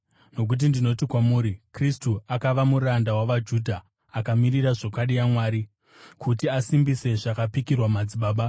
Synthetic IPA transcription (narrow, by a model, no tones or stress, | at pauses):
no̞k̬ut̬indino̞tikwamuːɾikristuakaʋamuɾandawaʋad͡ʒuːdʱaː | kamiɾiraʐokwaɗijamwaːɾi | kʰutiasimbise̞ʐakapikirwamad͡ziɓaːɓa